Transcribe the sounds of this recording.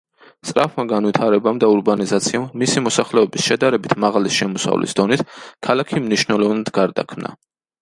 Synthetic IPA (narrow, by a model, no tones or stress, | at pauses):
st̪ʼɾapʰmaɡanvwit̪ʰaɾɛbamd̪auɾbanizat̪sʰiamːisimɔsaχlɛɔbisʃɛd̪aɾɛbit̪ʰmaʁalisʃɛmɔsa̰vlḭsd̪ɔnit̪ʰkʰalakʰimniʃnɛlˠɔvnad̪ɡaɾd̪a̰kʰmna̰